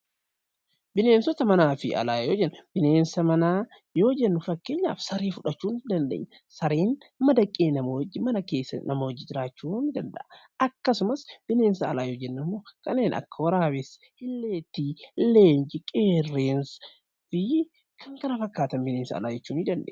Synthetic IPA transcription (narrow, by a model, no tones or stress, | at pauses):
bɪneːnsɔt̪ɐmɐnaːfɪ̰ɐ̰laːjoːd͡ʒɛnːb̥ɪne̞ːnsɐmɐnaː | jo̞ːd͡ʒɛnːʊfɐkːe̞ːɲːa̰ːfsɐɾeːfʊᶑɐt͡ʃːuːnd̪ɐnd̪ḛːɲːɐ | sɐɾeːn | mɐd̪ɐkʼːeːnɐmod͡ʒɪmɐnɐke̞ːsːɐ̰nɐmowd͡ʒːɪd͡ʒɪɾaːt͡ʃːuːnɪd̪ɐnd̪ɐ̰ʔɐ | ɐkːɐsʊmɐsb̥ɪne̞ːnsɐːlaːjoːd͡ʒɛnːɐmːoːkɐnːeːnʔɐ̰kːɐwɐɾaːbɛs | hɪlːeːt̪ːiːlːeːɲd͡ʒɪkʼeːrːeːns | fɪ | kʰɐŋkɐnɐfɐkːaːt̪ɐnbɪneːnsɐ̰ːlaːd͡ʒɛt͡ʃːuːnɪd̪ɐnd̪ḛːɲ